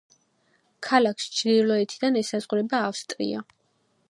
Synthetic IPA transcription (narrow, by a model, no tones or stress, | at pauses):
kʰalakʰst͡ʃʰd̪ilɔɛt̪ʰid̪anɛsazʁuɾɛbaːfst̪ʼɾḭa̰